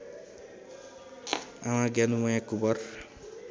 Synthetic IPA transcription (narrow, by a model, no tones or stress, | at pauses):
awãɡanuwɔjãkubʌr